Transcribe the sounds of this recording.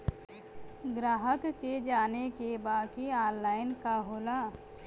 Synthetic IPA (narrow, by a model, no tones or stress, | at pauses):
ɡɾaːɦəkːed͡ʒaːnekebaːkiaːɾlaːɪnkaɦoːlaː